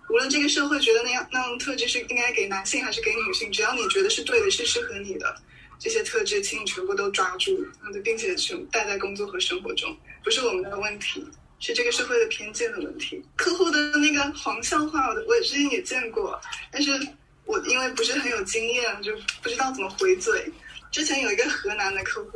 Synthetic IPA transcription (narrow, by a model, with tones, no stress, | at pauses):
u˧˥lwə˥˧nʈ͡ʂɤ˥˩ɡə˩ʂɤ˥˧xwe˥˩ɪt͡ɕɥɛ˧˥d̪ə˧na˥˧jɑ˥˧˩ŋna˥˩jt̪ʰɤ˥˧ʈ͡ʂɻ̩˥ʂɻ̩˥˩i˥ŋka˥ɪke˧˩ɪna˧˥nɕi˥˩ŋxa˧˥ɪʂɻ̩˥˩ke˧˥ɪny˨˩ɕi˥˩ŋʈ͡ʂɻ̩˧˥t̪ɑ˥˩ʊni˨˩t͡ɕɥɛ˧˥d̪ə˧ʂɻ̩˥˧t̪we˥˩ɪd̪ə˩ʂɻ̩˥˧ʂɻ̩˥˩xɤ˧˥ni˨˩d̪ə̰˦ | ʈ͡ʂɤ˥˩ɕjɛ˥t̪ʰɤ˥˩ʈ͡ʂɻ̩˥˩t͡ɕʰi˥˩ŋ˩ʈ͡ʂʰwə˧˥pɔ˧˥t̪̬o˥ʊʈ͡ʂwa˥ʈ͡ʂu˥˩˥t̪p̬i˥˩ŋt͡ɕʰjɛ˨˩ʈ͡ʂʰə˧˥ŋt̪a˥˧ɪt͡sa˥˩ɪkʊ˥ŋt͡swɔ˥˩xɤ˧˥ʂɤ˥ŋxwɔ˧˥ʈ͡ʂʊ̰˥ŋpu˧˥ʂɻ̩˥˩wɔ˨˩mə˨˦nd̪ə˧wə˥˩nt̪ʰi˧˥ | ʂɻ̩˥˧ʈ͡ʂɤ˥˩ɡə˩ʂɤ˥˧xwe˥˩ɪə˩pʰjɛ˥nt͡ɕi˥˩nxə˧˩wə̰˥˩nt̪ʰi˧˥kʰɤ˥˧xo˥˩ʊd̪ə˩na˥˩ɡə˩xwɑ˧˥ŋɕjɑ˥˧ʊxwa˥˩wɔ˩d̪wɔ˧˥jɛ˨˩ʈ͡ʂɻ̩˥t͡ɕʰɛ˧˥njɛ˨˩t͡ɕjɛ˥˧nkwɔ̰˥˩t̪a˥˧nʂ̬ɻ̩˥˩ | wɔ˨˩ʔi˥nwe˥˩ɪpu˧˥ʂɻ̩˥˩xə˧˥njo˨˩ʊt͡ɕi˥ŋjɛ˥˩nə˨˩t͡ɕjo˥˧˩pu˧˥ʈ͡ʂɻ̩˥t̪ɑ˥˩t͡sə˨˩mə˦xwe˧˥ɪt͡swe˥˩ɪʈ͡ʂɻ̩˥t͡ɕʰjɛ˧˥njo˨˩ʊi˧˥ɡə˧xɤ˧˥na˧˥nd̪ə˧kʰɤ˥˧xu˥˩